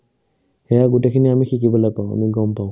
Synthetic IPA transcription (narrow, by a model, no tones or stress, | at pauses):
hɛjaɡutekʰiniamixikibɔlaɡ̚paʊ̃a̰miɡɔmpaʊ̃